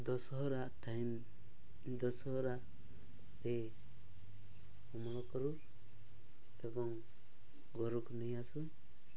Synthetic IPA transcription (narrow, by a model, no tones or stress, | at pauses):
d̪ɔsɔɦɾaʔtajm | d̪ɔsɔɦɾaʔ | ɾɛ | ɔmɔɽɔkɔɾu | ebɔŋ | ɡɔɾuknəjasu